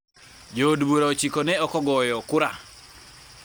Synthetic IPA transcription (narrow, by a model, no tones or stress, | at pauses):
d͡ʒodboɾaot͡ʃikonɛɔkɔɡɔjɔkʊɾa